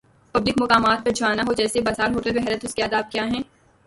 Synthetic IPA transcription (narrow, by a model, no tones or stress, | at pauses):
pɐbd̪ɪkmʊkaːmaːt̪̚pɐɾd͡ʒʱʊaːnaɦod͡ʒɛːsebɐzaːɾɦoːʈebeɦɛːɾət̪ʊskeaːd̪aːb̚kjaːɦɛ̃ː